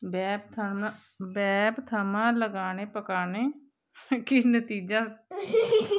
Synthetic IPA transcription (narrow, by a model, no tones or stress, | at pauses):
bɛːb̚t̪ʰəmã | bɛːbt̪ʰəmãːləɡaːneːpəkaːneː | kinət̪iːd͡ʒaː